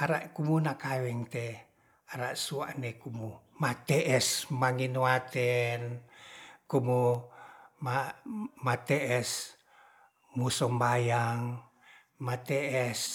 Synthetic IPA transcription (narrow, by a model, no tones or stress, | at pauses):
aɾaʔkumunakawɛŋt̪ɛ | aɾaʔsuaʔnekumumat̪ɛʔɛsmaŋinuwat̪ɛn | kumu | mamat̪ɛʔɛs | musɔmbajaŋ | mat̪ɛʔɛs